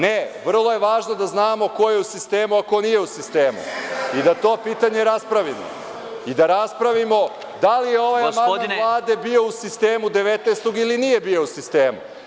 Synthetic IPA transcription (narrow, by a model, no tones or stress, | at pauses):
neʋr̩lˠo̞je̞ʋaːʒnod̪aznaːmo̞ko̞je̞usist̪eːmuako̞nije̞usist̪eːmṵid̪at̪o̞piːt̪aɲe̞ɾaspɾaʋino̰ | id̪aɾaspɾaʋimo̞ | d̪alijeo̞ʋajamalˠaːd̪e̞bio̞usist̪eːmud̪e̞ʋet̪nest̪oɡilinije̞bio̞usist̪eːmu